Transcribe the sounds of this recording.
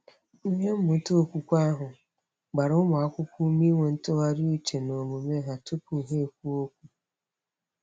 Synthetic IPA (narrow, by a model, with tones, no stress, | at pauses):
ɲe˦m̩˦mʊ˨˦to˦˨kʷu˦kʷa˦ɦʊ˨ | ɡ͡ba˨ɾʊ˦ʊ˦mʊ˨a˦kʷʊ˦kʷu˦mi˦ŋʷe˨n̩˦to˦a˦ɾi˦i˦t͡ʃe˨no˨mu˨me˦ɦa˦to˦pu˨ɦe˦˨kʷu˦o˦kʷu˦